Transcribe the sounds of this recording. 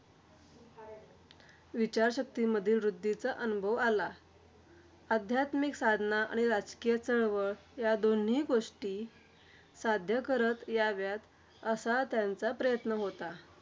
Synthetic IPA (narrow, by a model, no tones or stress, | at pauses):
ʋit͡ɕaɾɕək̚t̪iməd̪ʱiːlʋɾud̪ːit͡saʔənubʱəʋala | əd̪ʱjat̪miksad̪ʱnaʔa̰ɽ̃iɾad͡zkijet͡səɭʋəɭjad̪on̤iːɡoʂʈiː | sad̪ʱjəkəɾət̪jaʋjat̪ | əsat̪jant͡sapɾəjət̪nəɦot̪a